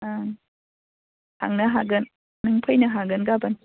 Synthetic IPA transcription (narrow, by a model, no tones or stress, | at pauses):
ʔa | hʰa̰ŋnaɦaɡən | nɯŋpʰɯjnaɦaɡənɡaban